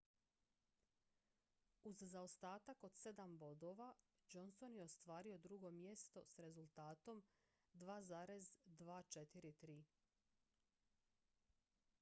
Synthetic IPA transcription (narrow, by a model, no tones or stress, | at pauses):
uzzaost̪aːt̪ako̞d̪̥se̞d̪ambo̞d̪o̞ʋa | d͡ʒo̞nso̞njeo̞st̪ʋaːɾio̞d̪ɾuɡo̞mje̞st̪o̞sɾe̞zulˠt̪aːt̪o̞m | d̪ʋaːzaːɾe̞zd̪ʋaːt͡ʃe̞t̪iɾit̪ɾiː